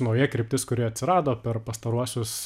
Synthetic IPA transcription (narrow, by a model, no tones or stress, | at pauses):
nɐʊjiɛkɾʲɪpʲt̪ʲɪskʊɾʲiɛɐt̪ʲsʲɪɾɑːd̪oːpʲɛrpɐst̪ɐɾuɔsʲʊs